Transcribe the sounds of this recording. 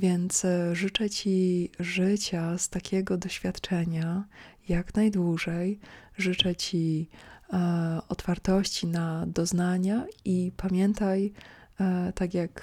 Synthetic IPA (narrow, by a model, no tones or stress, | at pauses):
vʲjɛnt̪sʐɘt͡ʂɛt͡ɕiʐɘt͡ɕast̪akʲʰɛɡɔd̪ɔɕfʲjat̪t͡ʂɛɲajaknajd̪wuʐɛjʐɘt͡ʂɛt͡ɕi | ɔt̪faɾt̪ɔɕt͡ɕinad̪ɔznaɲaipamʲjɛnt̪aj | t̪akʲjak